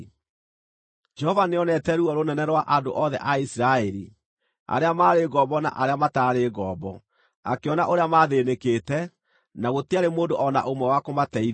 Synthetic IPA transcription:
d͡ʒɛhɔvaneɔnɛtɛɾuɔɾonɛnɛɾwaʔando̰ʔɔðɛ̰ʔaisiɾaɛɾi | a̰ɾeamaːɾeːɡɔːbɔna̰ʔaɾeamataːɾeɣɔːbɔ | a̰keɔnaʔoɾeamaːðenekeːtɛ | naɣotiaɾemoːndoʔɔna̰ʔomwɛwakomatɛi

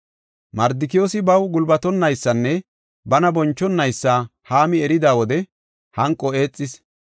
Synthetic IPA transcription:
mɐɾd̪ɪkɪjo̞ːsɪbɐwɡʊlbɐt̪ɔnːɐjsːɐnːɛ | bɐnɐbɔnt͡ʃːɔnːɐjsːaːhaːmɪɛɾɪd̪aːwɔd̪ɛ | hɐŋkʼːɔe̞ːt͡sʼːɪs

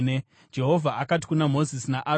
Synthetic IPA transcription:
ne | d͡ʒe̞ɦo̞vʱaʔakat̬i̥kunamo̞zisinaʔa

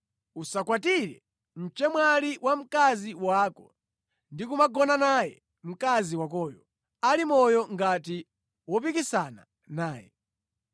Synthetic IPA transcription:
usakwatiɾɛ̰ | m̩t͡ʃɛmwaliwʔam̩kaziwakɔ̰ | ndikumaɡɔnanajɛ | m̩kaziwakɔːjɔ | alimɔjɔŋɡati | wɔp̬ikisana̰ | naːjɛ̰

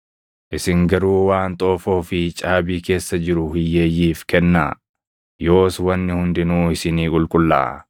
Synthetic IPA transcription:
ʔɪsɪŋɡɐɾuːwaːnt̪ʼo̞ːfo̞ːfɪt͡ʃʼaːbiːke̞ːsːɐd͡ʒɪɾʊhɪjːe̞ːjːiːfkɛnːa̰ː | jo̞ːswɐnːɪhʊnd̪ɪnuːɪsɪniːkʼʊlkʼʊlːa̰ː

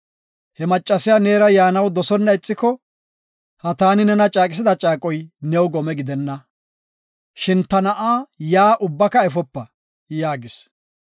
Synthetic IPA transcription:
hɛmɐt͡ʃʼːɐsɪjaneːɾɐjaːnɐwd̪ɔsɔnːɐɪt͡sʼːɪkɔ | hɐt̪aːnɪnɛnɐt͡ʃʼaːkʼɪs̬ɪd̪ɐt͡ʃʼaːkʼɔjnɛwɡɔmɛɡɪd̪ɛnːɐ | ʃɪnt̪ɐnɐʔaːjaːʔʊbːɐkɐɛf̬ɔpːɐ | jaːɡɪs

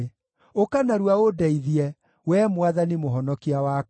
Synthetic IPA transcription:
okanaɾuaodɛiðiɛ | wɛmwaðanimoɦɔnɔkiawa

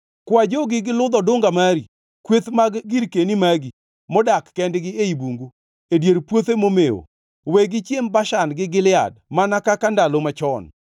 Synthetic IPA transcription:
kwad͡ʒoɡɪɡɪlʊd̪ɔdʊŋɡamaɾi | kwet̪maɡɡiɾkenimaɡi | mɔdakːɛndɡɪeibuŋɡu | edjeɾpwot̪emomeo̰ | weɡɪt͡ʃjembaʃanɡɪɡɪlɪa̰dmanakakandalomat͡ʃɔn

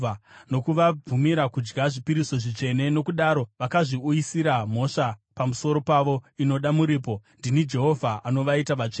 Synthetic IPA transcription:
ano̞kuʋab͡vumiɾakud͡ʒɡaʐipiɾiso̞ʐit͡ʂe̞ne̞no̞kuɗaɾo̞ʋakaʐiujisiɾam̤o̞ʂapamuso̞ɾo̞paʋo̞ino̞ɗamuɾiːpo̞ndinid͡ʒe̞ɦo̞vʱaʔano̞ʋaitaʋat͡ʂe

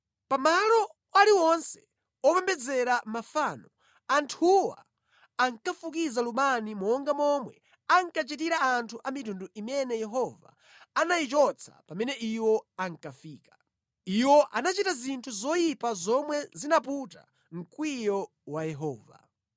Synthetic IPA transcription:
pamalɔ | waliwɔnsɛ̥ | ɔpɛmbɛd͡zɛɾamafanɔ | antʰuwa̰ː | ŋkafuk̬izalumanimɔɔŋɡamɔmwɛ̰ | aŋkat͡ʃitiɾaantʰuʔamitunduʔimɛnɛjɛɦɔva̰ː | najit͡ʃɔt͡sʰḁ̰pamɛnɛʔiwɔaŋkafiːkḁ | iwɔʔanat͡ʃitazintʰuzɔjipazɔmwɛzinaputa̰ | ŋ̩kwijɔ | wajɛɦɔ̰ːva̰

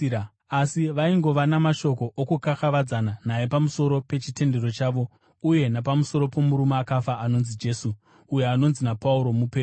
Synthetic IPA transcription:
asiʋaiŋɡo̞ʋanamaʃo̞ko̞ʔokukaxaʋad͡zananajepamuso̞ɾo̞pe̞t͡ʃite̞nde̞ɾo̞t͡ʃaːʋo̞ | uje̞napamuso̞ɾo̞po̞muɾumaːkafaano̞nzid͡ʒe̞ːsuː | je̞ano̞nzinapauɾo̞mupeː

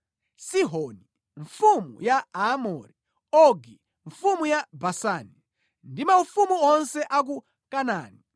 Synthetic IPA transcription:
siɦɔni | ɱfumṵjaamɔɾi | ɔɡi | ɱfumujabasani | ndimaufumuɔnsɛʔak̬u | kanaːni

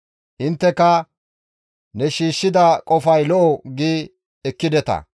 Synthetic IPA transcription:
hɪnt̪ːɛkɐ | nɛʃiːʃːɪd̪ɐkʼɔfɐjlɔʔɔɡiː | ɛkːɪd̪ɛt̪ɐ̰

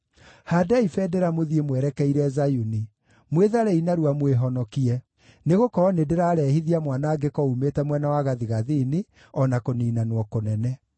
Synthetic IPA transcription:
hadaifɛdɛɾamoðiemwɛɾɛkɛiɾɛzajuni | mweðaɾɛinaɾuamweɦɔnɔkiɛ | neɣokɔɾɔnedeɾaːɾɛhiðiamwanaːɡekɔumetɛmwɛnawaɣaðiɣaðiːne | ɔnakoniːnanwɔkonɛnɛ

